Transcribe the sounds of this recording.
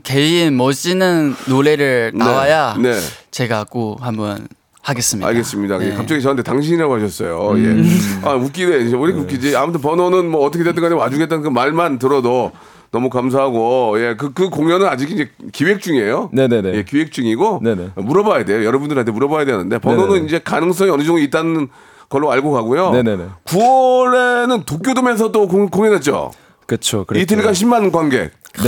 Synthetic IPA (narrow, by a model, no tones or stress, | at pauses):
ke̞inmʌd͡ʑinɯnːoɭe̞ɾɯɭnaeajane̞t͡ɕe̞ɡak͈ohambʌn | haɡes͈ɯmɲia̰ɭɡe̞s͈ɯmɲidaekap̚t͡ɕ͈ʌɡit͡ɕʌnɯntʰe̞taŋɕʰiɲiɾaɡoɦaɕʰʌs͈ʌjojeauk͈ideoɾkʰeuk͈id͡ʑiamutʰɯnp̬ʌnonɯnmʌːt͈ʰʌkʰeet̬͈ɯŋɡaɲiwad͡ʑuɡet͈ankɯmaɭmantɯɾʌdo | nʌmukams̬ʰaɦaɡoje̞kɯkɯkoŋjʌnɯnad͡ʑikind͡ʑekiwek̚t͡ɕ͈uŋiejonenenje̞kiwek̚t͡ɕ͈uŋiɡonenmuɾʌbajade̞jojʌɾʌbundɯɾantʰemuɾʌbajadenɯnde̞pʌnonɯnind͡ʑe̞kanɯŋs̬͈ʌŋiʌnɯd͡ʑʌŋoit̚t͈anɯnn | kʌɭːoaɭɡoɡaɡujoneneekuʌɾe̞nɯntok͈jodome̞s̬ʰʌt͈okkoŋjʌnɦet̚t͡ɕ͈o̰ | kɯt͡ɕʰokit̬ʰeɲik͈aɕ̬ʰimːanɡwanɡe̞̰